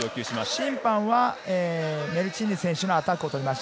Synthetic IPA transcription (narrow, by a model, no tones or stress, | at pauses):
oːkʲɨːɕimaɕĩmpãɰ̃βaeːme̞ɾɯ̟t͡ɕĩɲ̟ːisẽ̞ɰ̃ɕɨnoat̪akɯo̞t̪o̞ɾʲimaɕi̥